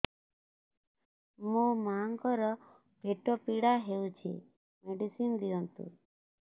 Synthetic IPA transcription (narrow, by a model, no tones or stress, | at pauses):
momaŋkɔɾɔ | bʱeʈopiɽaɦeũt͡ʃʰḛ | meɖisind̪iɔnt̪ṵɾ